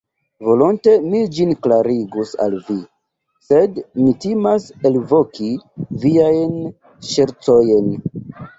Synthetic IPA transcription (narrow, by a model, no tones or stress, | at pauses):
vo̞lonte̞mid͡ʒinklaɾiɡusa̰lvi | se̞dmitimaselvo̞kiviajn | ʃeɾt͡sojen